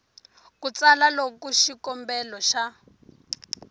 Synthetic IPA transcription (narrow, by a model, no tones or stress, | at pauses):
kut͡salalokuʃikɔmbɛlɔʃa